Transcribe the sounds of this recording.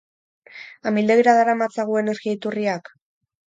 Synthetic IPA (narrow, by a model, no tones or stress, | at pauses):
amild̪eɣiɾaðaɾamat͡saɣue̞ne̞ɾɣiait̪uriak